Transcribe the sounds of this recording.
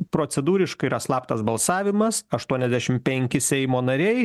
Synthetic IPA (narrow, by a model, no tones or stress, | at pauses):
pɾoːsʲɛd̪uːɾʲɪʃkɐɪiɾɐslˠɑːpt̪ɐsbɐlˠsɑːʋʲɪmɐsɐʃt̪uɔnʲɛzʲd̪ʲæʃʲɪmpʲɛŋʲkʲɪsʲɛɪmoːnɐɾʲɛɪ